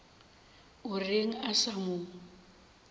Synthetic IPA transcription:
ʊreŋ̩asamʊːŋ̩

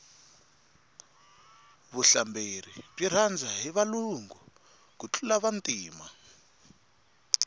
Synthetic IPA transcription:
βuɬamberiβir̤and͡zʱaɦiβaluŋu | k̬ut͡ɬʰʼulaβantʼiːma

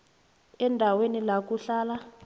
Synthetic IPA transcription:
ɛndʱawenilak̬uɬaːla

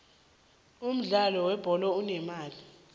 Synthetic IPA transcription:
um̩ɮalɔwɛb̥ʱɔlɔunɛmaːli

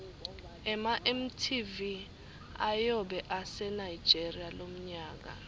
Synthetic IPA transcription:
ɛmaʔɛmtʰivi | ajɔɓɛʔasɛnaj̥d͡ʒ̥ʱerialom̩ɲaːk̬a̰

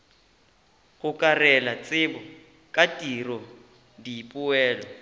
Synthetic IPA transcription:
kʊkʼarɛlat͡sʼɪbɔ | kʼatʼirɔ | dipʼuwɛːlɔ

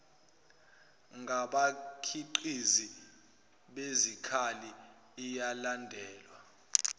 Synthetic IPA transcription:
ŋɡʱaɓakʰiǃizi | ɓezikʰaliː | jalandʱɛːlwa

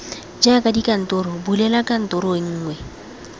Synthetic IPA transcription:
d͡ʒakʼadikʼan̩tʼɔɾɔbulɛlakʼan̩tʼɔɾoŋ̩ːŋwɛ

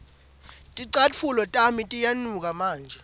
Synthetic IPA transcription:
tʼiǀat͡fʰulɔtʼamitʼijanuk̬ʼamaːnd͡ʒʱɛ

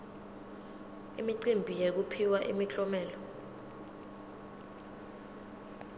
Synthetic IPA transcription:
imiǀimbʱijek̬upʰiwaʔḭmit͡ɬɔmɛːlɔ

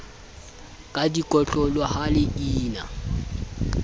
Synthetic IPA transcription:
kʼadikʼɔt͡ɬʼɔlwahalɪʔiːna̰

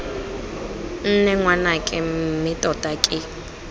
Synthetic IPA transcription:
n̩nɛŋwanakʼɪmɪtʼɔtʼakʼɪ

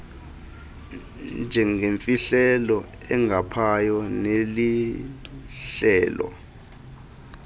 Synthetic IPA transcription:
nd͡ʒʱɛŋɡʱeɱfiɬɛlɔ | ɛŋɡʱapʰajɔneli | ɬɛːlɔ̰

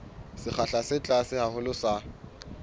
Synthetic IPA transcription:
sɪk͡xʰaɬasɪt͡ɬʼasɪhahʊlʊsa

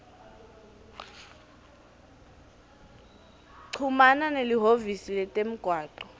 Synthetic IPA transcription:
ǀʰumananeliɦovisilɛtʼem̩ɡ̥ʱwaːtʼɔ

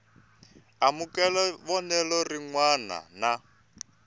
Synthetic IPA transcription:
amukɛlɛβɔnɛlɔriŋwana̰na

